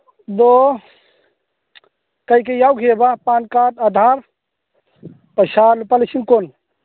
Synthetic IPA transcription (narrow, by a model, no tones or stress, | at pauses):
d̪o | kɐikejawkʰebapaːnkaʈad̪ʱaːɾ | pɐʃaːlupɐlit͡ʃʰinkon